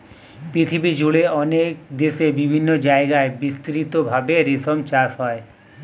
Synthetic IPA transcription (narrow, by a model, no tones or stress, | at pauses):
pɾit̪ʰibid͡ʑuɭeɔnekd̪esebibʱinːod͡ʒaeɡaebist̪ɾit̪obʱabeɾisomt͡ʃasɦɔe